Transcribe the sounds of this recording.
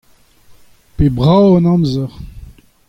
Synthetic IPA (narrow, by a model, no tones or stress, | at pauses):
pebʁawɔnɑ̃mzəʁ